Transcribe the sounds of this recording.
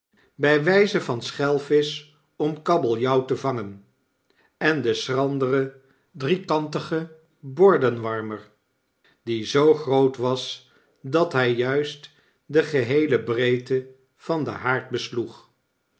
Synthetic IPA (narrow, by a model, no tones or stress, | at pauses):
bɛjʋɛjzəvɑnsχɛlˠfɪs | ɔmkɑbəlˠjɑwtəvɑŋən | ɛndəsrɑndərə | drikɑntəχə | bɔɹdənʋɑɹməɹ | dizowχrowtʋɑs | dɑtɦɛjːœɥst | dəχəɦejləbrejtə | v̥ɑndə̰ɦaːɹt̚bəsluχ